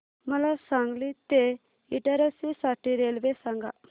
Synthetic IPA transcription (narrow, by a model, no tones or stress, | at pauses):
məlasaŋɡlit̪e | iʈaɾəsisaʈiɾelbesaŋɡa